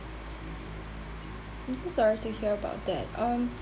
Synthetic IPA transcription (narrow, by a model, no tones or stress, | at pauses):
ãɪ̃msosɑɹitɨhiɹəba̰ʊt̪̚ðæ̰t̚ʌ̃m